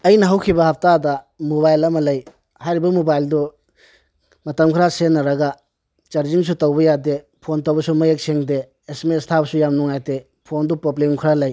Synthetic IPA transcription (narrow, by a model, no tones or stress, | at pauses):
ɐjnɐɦɐwkʰibɐhɐp̚ʰtadɐ | moβajlɐmɐlɐj | hajɾibɐmobajldɔ | mɐtɐmkʰɾasenɐɾɐɡa | t͡ʃɐɾzins̬utowbɐjade | pʰontowbɐsumɐjek̚seŋdeː | smestʰabɐsujamnuŋajte | pʰondupobliŋkʰɾalɐj